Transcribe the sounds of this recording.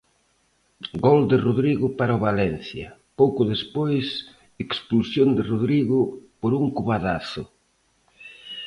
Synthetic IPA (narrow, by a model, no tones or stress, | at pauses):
ɡɔld̪ɪroðɾiɣʊpaɾaoβalɛnθjɐ̰powkʊðespojs | eksplusjond̪ɪroðɾiɣʊpoɾuŋkuβaðaθʊ̰